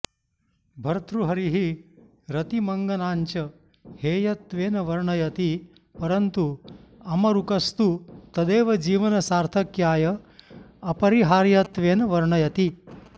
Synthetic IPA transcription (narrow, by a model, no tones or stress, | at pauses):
bʱɐɾt̪ʰɾuɦɐɾiɦi | ɾɐt̪imɐŋɡɐnaːɲt͡ʃɐ | heːjɐt̪ʋeːnɐʋɐɾɳɐjɐt̪i | pɐɾɐnt̪uɐmɐɾukɐst̪ut̪ɐd̪eːʋɐd͡ʒiːʋɐnɐsaːɾt̪ʰɐkjaːjɐ | ɐpɐɾiɦaːɾjɐt̪ʋeːnɐʋɐɾɳɐjɐt̪i